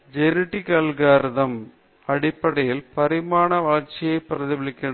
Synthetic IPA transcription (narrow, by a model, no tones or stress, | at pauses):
d͡ʒɛɾɪʈːikaːlɣaːɾɯðɐm | ɐɽɪpːɐɽɐjɪlpɐɾɪmaːnɐʋaːlt͡ʃɪjɐɪpːɪɾɐðɪʋɪɭɪkːɐɳɐ